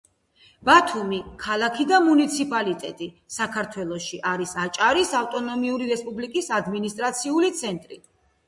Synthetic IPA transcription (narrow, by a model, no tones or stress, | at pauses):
b̥at̪ʰumikʰalˠakʰid̪amunit̪sʰipʼalit̪ʼɛt̪ʼi | sakʰaɾt̪ʰwɛlˠɔʃiʔaɾisat͡ʃʼaɾisaft̪ʼɔnɔmiuɾiɾɛspʼublikʼisad̪minist̪ʼɾat̪sʰiulit̪sʰɛnt̪ʼɾi